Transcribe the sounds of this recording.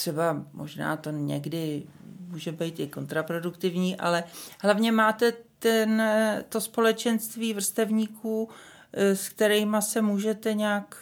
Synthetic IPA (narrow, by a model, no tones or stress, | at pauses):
t̪r̥ɛbamʔo̞̰ʒna̰ːt̪o̞ɲɛ̰ɡdɪmuːʒɛbɛjt̪ʔɪko̞nt̪ɾapɾo̞dukt̪ɪvɲiːʔa̰lɛɦlavɲɛmaːt̪ɛt̪ɛnt̪o̞spo̞lɛt͡ʃɛnst̪viːvr̩st̪ɛvɲiːkʰuː | skt̪ɛɾɛjmasɛmuːʒɛt̪ɛɲaːk